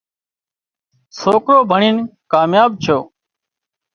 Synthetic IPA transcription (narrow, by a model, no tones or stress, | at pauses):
soːkɾoːbʱəɳiːnkaːmjaːb̚t͡ʃʰoː